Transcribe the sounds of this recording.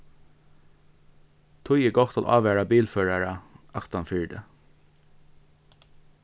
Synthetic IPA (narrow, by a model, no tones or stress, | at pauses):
t̪ʰʊjɛɡɔht̪lʔɑ̰ːʋæːɹabiːlføːɹaɹaɑkt̪anfʏɹɖə̰